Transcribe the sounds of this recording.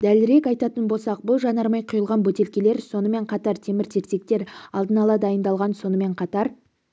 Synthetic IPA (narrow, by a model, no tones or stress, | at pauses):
d̪̥ælɪɾe̞kɑjt̪ɑt̪ənbo̞lˠsɑq̚bʊlˠʒɑnɑɾmɑjqʰʊjəlˠʁɑnbɵt̪e̞lkʲe̞le̞ɾso̞nəme̞ɴqʰɑt̪ɑɾt̪ʰe̞mɪɾt̪ʰe̞ɾt̪e̞k̚t̪e̞ɾɑlˠd̪ənɑlˠɑd̪ɑjənd̪ɑlˠʁɑnso̞nəme̞ɴqʰɑt̪ɑɾ